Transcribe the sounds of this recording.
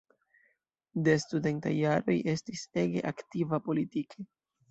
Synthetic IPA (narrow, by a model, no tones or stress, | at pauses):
de̞stude̞nta̰jːaɾo̞jʔe̞stise̞ɡe̞̰ʔaktivapo̞litikʰe̞